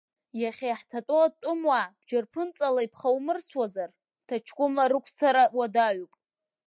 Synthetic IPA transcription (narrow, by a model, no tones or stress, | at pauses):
jaχʲeħtʰatʼoatʷʼʊmwab̥d͡ʒarpʰɨnt͡sʼalaipʰχawmɨrswazar | tʰat͡ʃʰkʷʼʊmaɾɨkʷʰt͡sʰaɾawadaɥupʼ